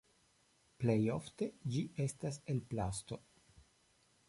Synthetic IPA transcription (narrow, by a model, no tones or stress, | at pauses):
plejo̞fte̞d͡ʒiʔe̞stase̞lplasto̞